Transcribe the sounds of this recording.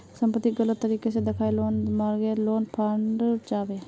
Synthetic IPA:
səmpət̪ːiɡələt̪ːəɾiːkesed̪ɪkʰaːeloːnmaːɾɡeloːnpʰaːɳɖt͡ʃaːbeː

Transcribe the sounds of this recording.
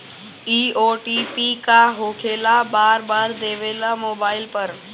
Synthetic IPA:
iːoːʈiːpikaɦoːkʰeːlabaːɾbaːɾd̪eːʋeːlamoːbaːɪlpəɾ

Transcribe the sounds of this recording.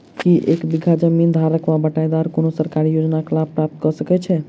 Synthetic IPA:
kiʔekbiɡʱad͡ʒəmind̪ʱaɾəkʋabəʈajd̪aɾkonosəɾkaɾijod͡ʒnaklab̪̚pɾap̚t̪kɔsəkɛt͡ʃʰɛ

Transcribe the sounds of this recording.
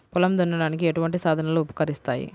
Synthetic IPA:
pʊlɐmd̪unːɐɽaːnikːiɛʈuʋɐɳʈisaːd̪ʱɐnɐloupɐ̥kɐɾist̪a̰ːjḭ

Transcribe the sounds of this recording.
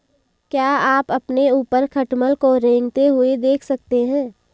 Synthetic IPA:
kjaːaːpɐpneuːpəɾkʰɐʈməlkoɾẽːŋɡt̪eɦʊed̪eːkʰsɐk̚t̪eɦɛ̃ː

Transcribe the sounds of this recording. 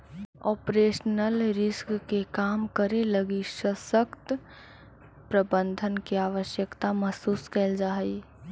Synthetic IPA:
ɔːpɾeːʃnəlɾɪskkekaːmkəɾeləɡisəsəkt̪ | pɾəbə̃nd̪ʱənkiaːʋəʃjəkt̪aməsuːskɛːld͡ʒaːɦəi

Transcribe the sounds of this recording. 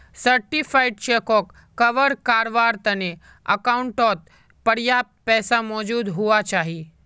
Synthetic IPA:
səɾʈifʰaːɪɖ̚t͡ʃeːkɔkː | ɐʋəɾkaːɾʋaːɾt̪ɐne | ɐ̰kaʊɳʈɔːt̪̚ | pɐɾjaːp̚t̪̚pɛːsamɔːd͡ʒuːd̪ɦuat͡ʃaːɦi

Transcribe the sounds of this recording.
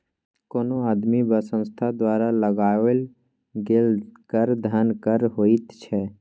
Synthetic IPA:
koːnoaːd̪mibəsə̃st̪ʰad̪waːɾaləɡaːʋəl | ɡelkəɾd̪ʱənkəɾɦoːit̪t͡ʃʰɛ

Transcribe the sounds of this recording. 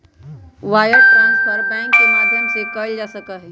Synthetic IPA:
ʋaːjəɾt̪ãspʰɐɾbɛ̃ːŋkːemaːd̪ʱjəmsekɐld͡ʒaːsɐkəɦɛ

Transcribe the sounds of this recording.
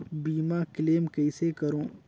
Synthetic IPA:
biːmakleːmkɐɪsekɐɾõː

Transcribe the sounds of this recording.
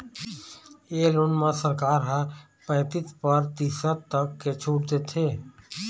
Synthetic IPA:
eːlonmãsəɾkaːɾɦa | pɛ̃ːt̪ɪt̪pəɾt̪iːsət̪əkːet͡ʃʰuːʈd̪eːt̪ʰeː

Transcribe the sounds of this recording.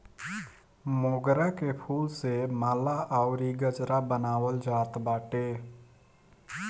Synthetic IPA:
moːɡɾakepʰuːlsemaːlaʔaʊɾiɡəd͡ʒɾabənaːwəld͡ʒaːt̪baːʈeː

